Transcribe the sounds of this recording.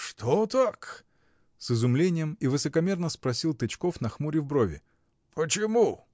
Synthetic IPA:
ʂt̪ʰot̪ak | sɨzʊmlʲenʲɪjəmivɨsəkɐmʲe̞rnəspɾɐsʲilˠt̪ɨt͡ɕkofnɐxmuɾʲɪvbɾovʲɪ̰ | pət͡ɕɪmu

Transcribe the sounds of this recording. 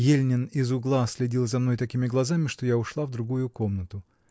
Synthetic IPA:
jelʲnʲɪnɪzʊɡlˠasʲlʲɪdʲilˠzɐmn̪ojt̪ɐkʲimʲɪɡlˠɐzamʲɪʂt̪ojaʊʂlˠavd̪ɾʊɡujʊko̞mnət̪ʊ

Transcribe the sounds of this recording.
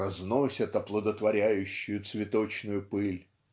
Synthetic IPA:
ɐznosʲət̪ɐplˠəd̪ət̪vɐɾʲæjʉɕːʊjʊt̪svʲɪt̪o̞t͡ɕnʊjʊpɨlʲ

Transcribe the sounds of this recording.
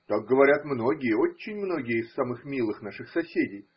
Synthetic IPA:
t̪ak̚ɡəvɐɾʲat̪mno̞ɡʲɪjəo̞t͡ɕːɪnʲmno̞ɡʲɪjəɪsːamɨxmʲilˠɨxnaʂɨxsɐsʲedʲɪj

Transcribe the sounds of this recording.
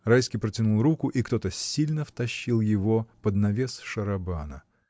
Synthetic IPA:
ɾajskʲijpɾətʲɪnulˠɾukʊʔikt̪o̞t̪əsʲːilʲnəft̪ɐɕːilˠjɪvopəd̪nɐvʲesʂəɾɐbanə̰

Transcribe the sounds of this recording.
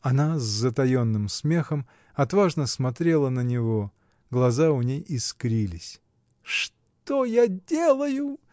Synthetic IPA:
ɐnazːət̪ɐjo̞nːɨmsmʲe̞xəm | ɐt̪vaʐnəsmɐt̪ɾʲe̞lˠənənʲɪvo̞ | ɡlˠɐzaʊnʲejɪskɾʲilʲɪsʲ | ʂ | t̪ojadʲelˠəjʊ

